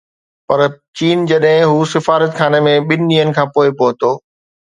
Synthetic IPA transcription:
pɐɾt͡ɕiːnd͡ʑɐɗɦɪ̃ɦuːsɪfaːɾət̪kʰaːnemẽɓɪnɪɗiːənɪ̆kʰãːpoːɪpoɦʊt̪oː

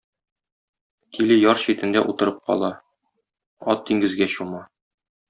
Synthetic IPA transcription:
kilɘjɒɾɕit̪ɘ̆nd̪æʔut̪ɤ̆ɾɤp̚qɒ̰lˠɑ | ɒt̪̚d̪iŋɡɘ̆zɡæɕumɑ

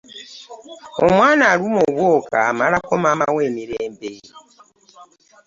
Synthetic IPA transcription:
omwanaɾumoβwokʰa̰malakomamawemiɾeːmbe

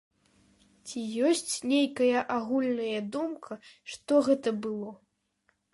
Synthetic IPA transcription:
t͡sʲijɔsʲt͡sʲnʲejkɐjɐʔaɣulʲnɐjɐd̪umkʰɐʂt̪ɔɣɛt̪ɐbɨlˠɔ

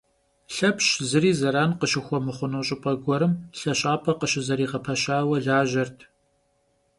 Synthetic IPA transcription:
ɬɐpʰɕzɨɾiːzɐɾaːnqəʃɪxʷɔmɨχʷʊnuːɕʼɪpʷʼɐɡʷɔɾɨmɬɐɕʼaːpʰɐqəʃɪzɐɾiːʁɐpʰɐɕaːwɐɮaːʒɐrtʰ

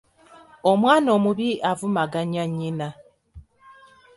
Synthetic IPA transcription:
omwaːno̞ːmuβiʔavumaɡaɲaɲːina

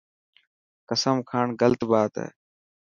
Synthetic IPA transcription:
kəsəmkʰaːɳɡəlt̪baːt̪ḛː

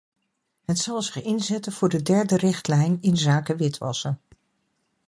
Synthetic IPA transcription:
ɦətsɑlˠzɪχɪnzɛtənv̥ʊːɹdədɛɹdərɪχtlɛjnɪnzaːkəʋɪtʋɑ̰sən

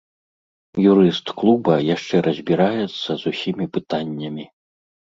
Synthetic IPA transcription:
juɾɨst̪klˠubɐjaʂt͡ʂɛɾʔɐzʲbʲiɾajɛt̪sːɐzusʲimʲipɨt̪anʲːɐmʲi

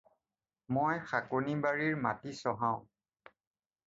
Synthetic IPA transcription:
mojxakonibaɹiɹmatisɔɦãʊ̃

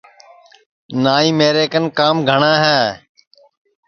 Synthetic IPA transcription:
naːĩːmeːɾeːkənkaːmɡʱəɳãːɦɛː

